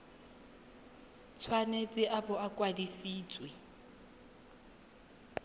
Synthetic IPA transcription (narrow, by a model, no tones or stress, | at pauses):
t͡sʰwanet͡sʼɪʔabɔakʼwadisiːt͡sʼwe